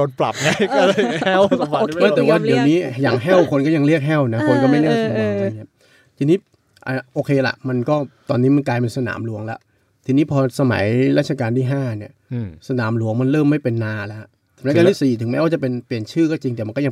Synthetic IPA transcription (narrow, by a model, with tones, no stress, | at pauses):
o˧npla̰˨˩p̚ŋa˦˥˧ | aː˥˩t̪ɛː˨˩waː˥˩di˨˩˦wniː˦˥jaː˨˩ŋɦɛː˥˩wkʰo˧nkɔː˥˩ja˧ŋli˥˩ək̚ɦɛː˥˩wna˦˥kʰo˧nkɔː˥˩ma˥˩jli˥˩əkʰa˧a˧ŋɲi˦˥ə | t̪ʰiː˧niː˦˥ | ʔa˧˩ʔoː˧kʰeː˧la̰˨˩ʔma˧nkɔː˥˩t̪ɔː˧nːiː˦˥ma˧nklaː˧jpe˧nsa˧na̰ː˩˦mlu˧˦əŋlɛ̰˦˥ʔ | t̪ʰiː˧niː˦˥pʰɔː˧sa˧ma̰˩˦jɾaː˦˥˩t̚t͡ɕʰa˧kaː˧nt̪ʰiː˥˩ɦaː˥˩ni˨˩əsa˧na̰ː˩˦mlu˧˦əŋma˧nɾɤː˥˩mːa˥˩jpe˧nːaː˧lɛ˦˥hʰ | ɯ˩˦maː˦˥kaː˧t̪iː˥˩siː˨˩t̪ʰɯ˩˦ŋmɛː˧˦˥waː˥˩t͡ɕa˨˩pe˧npli˨˩ənt͡ɕʰɯː˥˩kɔː˥˩t͡ɕi˧ŋt̪ɛː˨˩wm˧nkɔː˥˩ja˧